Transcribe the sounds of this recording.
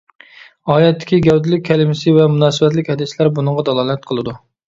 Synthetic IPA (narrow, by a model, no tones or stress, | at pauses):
ɑːjɛt̪ːɪ̥kʲiɡʲɛwd̪ɪlɪk̚ʲʰːɛlɪmɪsɪvɛmunɑːsɨbɛt̪lɪkʲhɛd̪ɪslæɾbunɨɴʁɑd̪ɑlˠɑːlˠɛt̪̚qʰəlˠɨd̪u